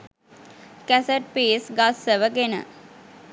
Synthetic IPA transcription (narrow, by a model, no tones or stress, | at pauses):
kæseʈ̚peːsɡasːəʋəɡenə̰